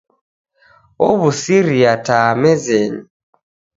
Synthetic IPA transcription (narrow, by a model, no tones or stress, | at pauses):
oβusiɾiataːmɛzeni